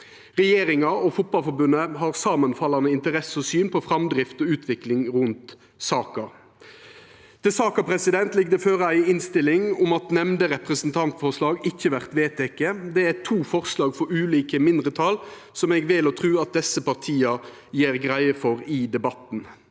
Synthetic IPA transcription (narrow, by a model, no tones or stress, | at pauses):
ʁɛjeːɾɪŋɑɔfʊt̪̚bɑlfɔɾbʉnːəɦɑːʁsɑːmənfɑlːɑnəɪnt̪əʁɛsəɔsyːnpʰɔfɾɑmd̪ɾɪft̪ɔʉːt̪ʰʋɪklɪŋʁʉnt̪ | sɑːkɑ | t̪ʰɪsɑːkɑpɾɛsɪd̪ɛnt̪lɪɡd̪əføːɾæɪɪnst̪ɪlɪŋʊmɑt̪nɛmnd̪əʁɛpʁəsən̩t̪ʰɑnt̪fɔʁʂlɑːɡɪçːəʋæʁt̪ʋeːt̪ʰɛkːeːd̪ɛæt̪ʰuːfɔʁslɑːɡfɔɾʉːliːkəmɪnd̪ʁət̪ʰɑl | sɔmɛɡʋɪlɔːt̪ʰʁʉːɑt̪̚d̪ɛsːəpɑʁt̪ʰiːɑ | jeːɾɡʁæɪəfɔɾɪd̪ɛbɑt̪n̩